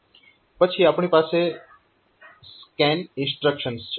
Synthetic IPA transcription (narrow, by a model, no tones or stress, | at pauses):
pət͡ʃʰiapɳ̃ipaːse | skɛnɪ̃nsʈɾəkʃənst͡ʃʰ